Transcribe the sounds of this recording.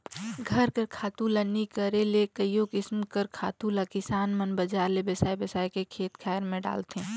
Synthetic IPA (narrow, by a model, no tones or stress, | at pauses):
ɡʱɐɾkəɾkʰaːt̪ũlanikəɾelekəijokɪsmkəɾkʰaːt̪ulakɪsaːnmɐnbɐd͡ʒaːɾlebɐsaːjbəsaːjkekʰeːt̪kʰaːəɾmẽɖa̰ːlt̪ẽː